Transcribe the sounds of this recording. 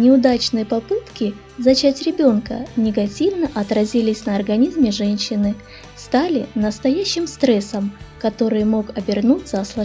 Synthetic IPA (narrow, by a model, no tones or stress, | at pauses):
nʲɪʊd̪at͡ɕnɨjəpɐpɨt̪kʲɪ | zɐt͡ɕætʲɾʲɪbʲo̞nkə̰nʲɪɡɐtʲivnəʔɐt̪ɾɐzʲilʲɪsʲnəɐrɡɐnʲizmʲɪʐɛnʲɕːɪnɨ | st̪alʲɪnəst̪ɐjæɕːɪmst̪ɾɛsəmkɐt̪o̞ɾɨjəmo̞kɐbʲɪrnutʲzaslˠɐ